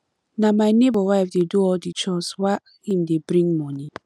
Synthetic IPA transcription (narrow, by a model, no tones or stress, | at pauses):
namajnebɔwaɪfdeduɔldit͡ʃɔswa | im̩debɾĩŋmɔni